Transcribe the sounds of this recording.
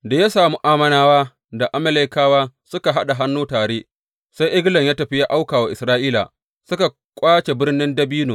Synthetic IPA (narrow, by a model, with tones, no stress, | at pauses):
da˨ja˦saː˨mu˦ʔaː˦˨mɐ˦naː˨waː˦ | da˨ʔa˦mɐ˦le˦kaː˦waː˦sʊ˦ka˨ɦa˦ɗa˨ɦa˦nːuː˦taː˨ɽeː˦ | sa˦jʔɪ˦ɡlɐ˨ŋjaː˦tɐ˨ɸi˦ja˦ʔa˦wkaː˨wa˨ʔɪ˨sɾaː˦ʔiː˦la̰˨ | sʊ˦ka˨ | kʷʼaː˦t͡ʃe˨bɪ˦rnɪ˦ndɐ˦biː˦noː˨